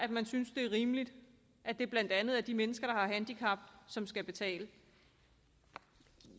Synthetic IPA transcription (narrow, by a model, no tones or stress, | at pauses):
ʔæd̥mænsynsd̥e̝æɐʁiːməlid̥ | ʔæd̥e̝b̥læn̰d̥ænð̞̩ˠæɐd̥imenəsɡ̥ɐɾ̥ɑ̈hɑ̈ɦænd̥ikʰɑ̈b̥sɒ̽msɡ̥æb̥e̝t͡sʰɛ̰ːlə